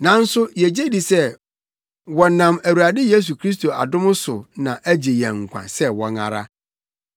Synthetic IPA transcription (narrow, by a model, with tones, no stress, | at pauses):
nã˨˦n̩˦sʊ˦jɛ˨d͡ʑe˦di˨sɛ˦ | wɔ˨nã˨mæ˨wu˨a˨dɪ˦je˦s̬u˨kʰɾi˦s̬to˨a̰˨dʊ̃˦mʊ̃˦sʊ˨nã˨ʔæ˦d͡ʑe˨jɛ̃˨ŋ̩˨kʷʰã̰˨sɛ˦wɔ˨ŋa̰˨ɾa̰˦